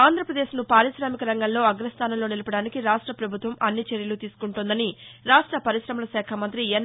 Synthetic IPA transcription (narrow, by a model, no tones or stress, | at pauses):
aːnd̪ʱɾɐpɾɐd̪e̞ːʃnupaːɾiʃɾaːmikɐɾɐŋɡɐllo̞ːɐɡɾɐst̪ʰaːnɐmloːnilɐpɐɽaːnikiɾaːʂʈɾɐpɾɐbʱut̪ʋɐmɐnːit͡ʃeɾjɐlut̪iːsu̥kuɳʈund̪ɐniɾaːʂʈɾɐpɐɾiʃɾɐmɐlɐsɛːkʰamɐnt̪ɾijen